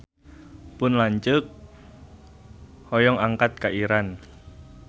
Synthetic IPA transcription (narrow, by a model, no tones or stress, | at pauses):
pʊnlaɲt͡ʃʊk̚ | hɔjɔŋaŋkat̪̚kaʔiɾan